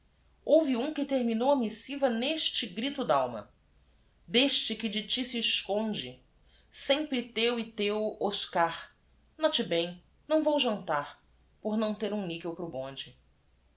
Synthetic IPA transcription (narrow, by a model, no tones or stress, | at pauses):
owviũkɪt̪eɾminowɐmisivɐneʃt͡ʃɪɡɾit̪ʊd̪aawmɐ̰ | d̪eʃt͡ʃɪkɪd͡ʒɪt͡ʃisiːʃkõnd͡ʒɪ | sẽpɾɪt̪ewɪt̪ewoʃkaɾ | nɔt͡ʃɪbẽj̃ | nɐ̃w̃vowʒɐ̃nt̪aɾ | poɾnɐ̃w̃t̪eɾũnikewpɾʊbõnd͡ʒɪ